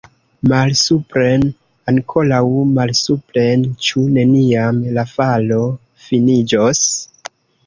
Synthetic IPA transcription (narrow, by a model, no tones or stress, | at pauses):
malsupɾe̞n | aŋkʰo̞lawmalsuple̞nt͡ʃune̞niamlafalo̞ | finid͡ʒos